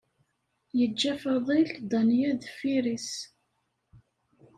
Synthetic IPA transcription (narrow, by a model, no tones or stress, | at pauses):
jəd͡ʒːæfɑðˤild̪ˤɑnjæðfiɾis